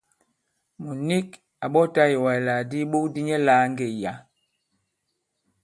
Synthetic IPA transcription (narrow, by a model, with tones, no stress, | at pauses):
mu˨ni˦k | a˨ɓɔ˦ta˦je˨wa˨la˨di˦ɓo˦di˦ɲɛ˦laː˨˦ŋ˦ɡe˨ja˨˦